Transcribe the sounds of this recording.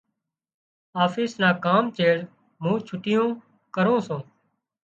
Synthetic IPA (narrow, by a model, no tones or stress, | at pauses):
aːfiːsnãːkaːmt͡ʃeːɽ | mũːt͡ʃʰʊʈɪjõː | kəɾõːsõː